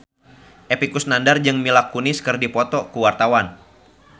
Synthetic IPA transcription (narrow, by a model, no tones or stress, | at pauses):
ʔepikusnandard͡ʒɨŋmilakunɪskɨrdipɔt̪ɔkuwart̪awan